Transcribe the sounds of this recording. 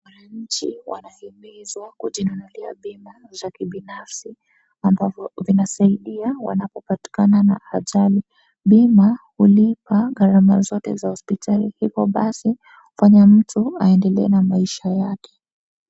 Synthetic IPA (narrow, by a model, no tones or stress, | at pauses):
wanaɲ̩t͡ʃiwʔa̰nahɛmɛzwakuʄinunulia̰ɓimazakiɓinafsi | ambavɔvinasaiɗiawa̰napɔpati̥kanana̰aʄali | ɓimahulipaɡaɾamazɔtɛ̰zahɔspitʰalihikɔɓasi | hufaɲam̩tuaɛndɛlɛɛnamaiʃajakɛ̥